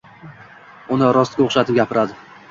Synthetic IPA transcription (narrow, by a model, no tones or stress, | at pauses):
ʊnɪɾɒst̪̚kʲaoχʃat̪ɪp̚ɡʲapʰɪɾad̪ɪ